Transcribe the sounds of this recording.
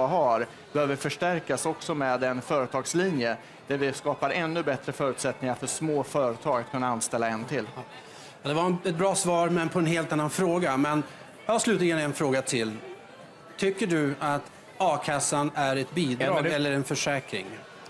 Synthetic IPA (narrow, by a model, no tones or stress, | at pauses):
ɦaɾ | b̥ɛhøːvəɾfœʂʈæɾkasɔksɔmɛːd̪ɛnfœːɾət̪ʰɑːɡslinjə | d̪̥æɾvɪskɑːpaɾɛnːɵbɛt̪ɾəfœːɾʉ̟ːt̪sɛt̪nɪŋaɾfœʂmoːfœːɾət̪ʰɑːɡat̪kʰɵnːaanst̪ɛlːaɛnt̪ʰɪlː | jɑd̪ɛvaɾɛɛt̪̚bɾɑːsvɑːɾmɛnpʰɔɛnheːlt̪anːanfɾoːɡamɛn | jɑaslʉːt̪lɪɡənɛnfɾoːɡat̪ʰɪl | t̪ʰʏkːəɖɵat̪ | ɑːkʰasːanæɾɛt̪̚biːd̪ɑːɡɛlːəɾɛnfœʂɛːkɾɪ̰ŋ